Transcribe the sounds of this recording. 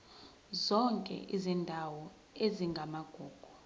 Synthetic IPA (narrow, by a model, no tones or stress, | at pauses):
zɔŋkʼɛ̰ʔizindʱawɔ | eziŋɡʱamaɡ̥ʱuːɡ̥ʱu